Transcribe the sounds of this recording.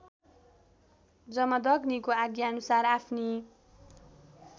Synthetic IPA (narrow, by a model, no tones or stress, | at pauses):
d͡zʌmʌd̪ʌɡnikoaɡjaʌnusaɾapʰni